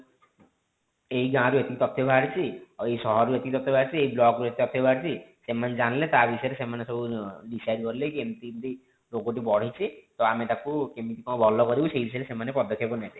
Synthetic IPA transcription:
ejɡãɾuet̪ikit̪ɔt̪ʰːebʱaɾt͡ʃʰiejsɔɦɔɾuet̪ikit̪ɔt̪ʰːjebʱaɾt͡ʃʰieiblɔɡɾuet̪it̪ɔt̪ʰːebʱaɽt͡ʃʰisemaned͡ʒanilet̪abisɔjɾesemanesɔbʱuɖisajɖkɔɾilekemt̪iɾi | ɾoɡoʈ̬ibɔɽ̤it͡ʃʰit̪oamet̪akukemit̪ikɔ̃bʱɔlɔkɔɾibusejbisɔjɾesemanepɔd̪ɔkʰjepɔnet̪i

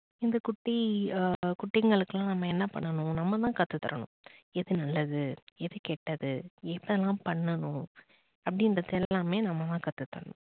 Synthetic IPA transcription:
ɪnd̪ɐkʊʈːi | kʊʈːɪŋɡɐɭɯkːɯlãːnɐmːɐɛnːɐpɐ̰ɳːɐnʊ̃nɐmːɐt̪ãːkɐt̪ːɯt̪ːɐ̰ɾɐ̰nʊ̰̃ɛðɯnɐlːɐðɯɛðɯkɛːʈːɐðɯɛpːɐɛlãːpɐɳːɐnʊ̃ | ɐpːɐɽɪndɾɐðɛlːaːmeːnɐmːɐt̪ãːkɐt̪ːɯt̪ːɐɾɐnʊ̰̃

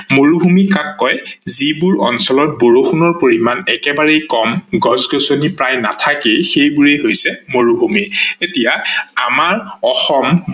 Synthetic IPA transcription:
moɹubʱumikakːɔjzibʊɹɔ̰nsɔlɔt̚boɹoxʰunɔɹpoɹimanɛkɛbaɹejkɔmɡɔzɡɔsonipɹajna̰tʰakexejbuɹɛɦojsɛmoɹubʱumietijaamaɹɔxɔm

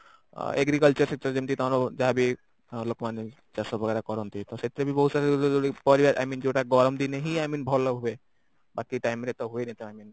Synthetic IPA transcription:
ḛɡɾikəlt͡ʃɔɾsek̚ʈɔɾd͡ʒimt̪it̪ɔɾɔd͡ʒaabi | lokmane | d͡ʒasɔbʱɔɡɛɾakɔɾɔnt̪it̪ɔset̪ɾebibɔɦusaɾepɔɾibaɾa̰jmind͡ʒeʈaɡɔɾɔmd̪ineɦiajminbʱɔlɔɦobe | bakiʈajmɾet̪ɔɦuenit̪ɔajmin

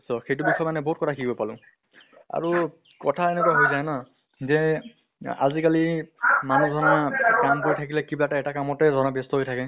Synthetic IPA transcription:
sɔxejtubikʰɔjmanɛbɔɦut̚kɔtʰakibɔpalʊ̃ | a̰ɹu | kɔtʰaenɛkuaɦojzajna | zɛ | a̰zikalimanudʱɔnakampʊɹitʰak̬ilɛkiblataɛtakamɔtɛdʱɔnabestɔɦojtʰakɛ

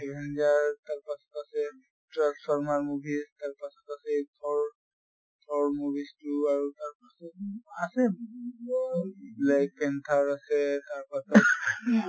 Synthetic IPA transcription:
ɛɡʱɛnzaɹtaɹpasɔ̥tasɛ | tɹaspʰɔɹmaɹmubʱistaɹpasɔ̥tasɛtʰɔɹ | tʰɔɹmubʱistuaɹutaɹpasɔtasɛ | lajkpɛntʰaɹasɛtaɹpatɔt

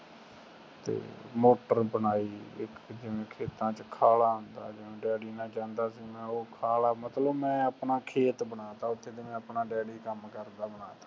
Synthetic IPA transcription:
t̪ḛːmoːʈəɾbənaːiːɪkd͡ʒɪʋẽːkʰeːt̪ãːt͡ʃkʰaːlaːɦʊnd̪a̰ːd͡ʒɪʋẽːɖɛːɽiːnãːt͡ʃãːnd̪aːsiːmɛ̃ːoːkʰaːlaːmət̪ləbmɛ̃ːəpnaːkʰeːt̪bənaːt̪aːʊt̪ʰːeːt̪eːmɛ̃ːəpnaːɖɛːɽiːkəmkəɾd̪aːbənaːt̪aː

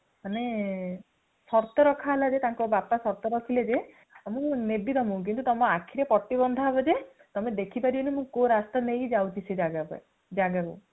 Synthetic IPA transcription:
mane | sɔɾt̪ɔɾɔkʰalad͡ʒet̪aŋkɔbapasɔɾt̪ɔɾɔkʰiled͡ʒe | amɔ̃nebit̪ɔmũk̬int̪ut̪ɔmɔ̃akʰiɾepɔʈːibɔnd̪ʱaɦbɔd͡ʒe | t̪ɔmed̪ekʰipaɾibɔnemũkoɾast̪anejd͡ʒawt͡ʃʰised͡ʒaɡapɔ̰e | d͡ʒaɡaku

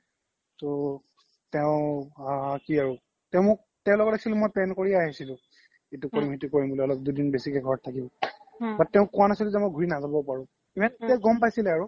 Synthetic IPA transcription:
tɔ | tɛʊ̃akiaɹu | tɛʊ̃mʊk̚tɛ̃ʊ̃lɔɡɔtekʰsilũmojpɛnkoɹiaɦisilʊ̃ | etukoɹimetukoɹimbulɛɔlɔp̚dudinbesikɛɡʱɔɹɔtʰakibɔbatːɛʊ̃kũwanasiluzɛmojɡʱuɹinazabɔpaɹʊ̃ | bɛtɛɡɔmpajsilɛaɹu

